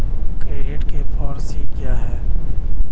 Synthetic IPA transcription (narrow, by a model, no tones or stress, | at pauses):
kɾeːeːʈkefʰɔːɾsikijaɦɛː